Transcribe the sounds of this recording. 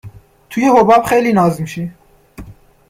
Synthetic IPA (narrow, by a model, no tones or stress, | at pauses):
t̪ʰujehobɑːbxeːliːnɑːzɨmʃi